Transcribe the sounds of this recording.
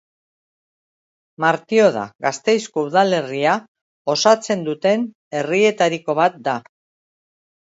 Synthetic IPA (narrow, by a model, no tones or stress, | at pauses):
maɾt̪io̞ð̞a̰ɣast̪e̞jsko̞uðale̞ria | o̞sat͡se̞nd̪ut̪e̞n | e̞rie̞t̪aɾiko̞β̞at̪̚d̪a